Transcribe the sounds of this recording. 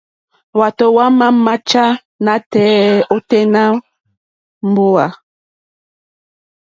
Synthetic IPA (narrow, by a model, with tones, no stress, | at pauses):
wa˨to˨wa˦ma˦ma˦t͡ʃa˦ | na˨tɛː˦o˦tɛ˦na˦ | m˦bo˦a˨